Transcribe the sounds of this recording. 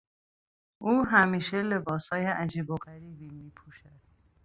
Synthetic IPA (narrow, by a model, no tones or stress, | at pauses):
ʔuːɦæmiːʃele̞bɒːshɒːjeʔæd͡ʒiːboɣæɾiːbiːmiːpʰuʃæd̪̥